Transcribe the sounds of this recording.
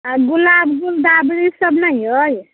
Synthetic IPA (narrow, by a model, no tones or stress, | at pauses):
ɡulabɡuld̪abɾisʌbnajɦoj